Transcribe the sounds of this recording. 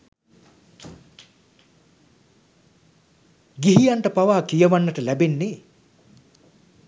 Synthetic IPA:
ɡiɦijaɳʈəpaʋaːkijəʋanːəʈəlæbenːe

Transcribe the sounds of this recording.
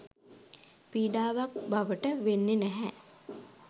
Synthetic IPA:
piːɖaːʋak̚baʋəʈəʋenːenɛɦɛ

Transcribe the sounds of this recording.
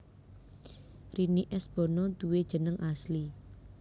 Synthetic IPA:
riniʔɛsb̥ɔ̤nɔd̪̥uwed̥ʒ̥ə̤nəŋʔasli

